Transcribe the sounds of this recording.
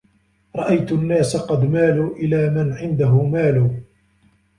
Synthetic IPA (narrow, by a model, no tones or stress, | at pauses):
ɾˤɑʔajt̪nːaːsaqɑd̪maːluːʔɪlaːmanʕɪnd̪aɦʊmaːluː